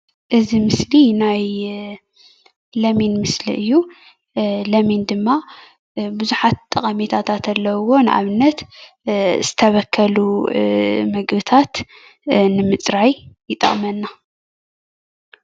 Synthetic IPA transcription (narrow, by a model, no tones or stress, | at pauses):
ʔɨzimɨslinaj | lɐminmɨslḭʔɨjːu | lɐmind̪ɨmːa | buzuħat̪t̪ʼɐχʼɐmit̪ʰat̪ʰat̪ʰɐlːɐwo̞nɨʔa̰βnːɐt̪ | z̥ɨt̪ʰɐβɐkʰːɐlu | mɐɡbɨt̪ʰat̪ | nɨmɨt͡sʼɾajjɪt̪ʼɐ̰χʼmɐnːa